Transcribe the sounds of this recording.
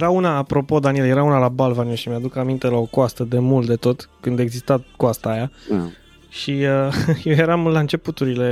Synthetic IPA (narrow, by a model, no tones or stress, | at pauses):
jeɾaunaːpɾo̞po̞d̪anielje̞ɾaunalabalvanioʃimjad̪ukamint̪e̞lao̞koast̪əd̪e̞mult̪̚d̪e̞t̪o̞t̪kɨnd̪e̞ɡzist̪akoast̪aːja | ʃiəjeje̞ɾamlaɨnt͡ʃe̞put̪uɾile̞